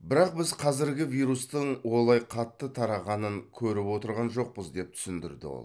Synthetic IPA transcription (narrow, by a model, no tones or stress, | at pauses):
bɪɾɑq̚bɪzqʰɑzɪɾɡʲɪvʲijɾust̪əɴwo̞lˠɑjqʰɑt̪ːət̪ʰɑɾɑʁɑnəŋkʲʰɵɾɪpwo̞t̪əɾʁɑnʒo̞q̚pəzd̪e̞p̚t̪ʰʏ̥sɪnd̪ɪ̰ɾd̪ɪ̰wo̰